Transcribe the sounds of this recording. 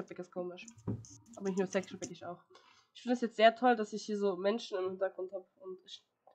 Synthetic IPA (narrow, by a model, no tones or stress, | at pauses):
ap̚vɛkskʰoːmɪʃʔaːbɐnɪçtnuːɐsɛksʃapɛkɪça̰ʊx | ʔɪçfɪndəɛsjɛt͡stz̥eːɐtʰɔldasɪçhiːɐzoːmɛnʃn̩ɪmhɪntɐɡ̥ʁʊnthaːbəʊntɪç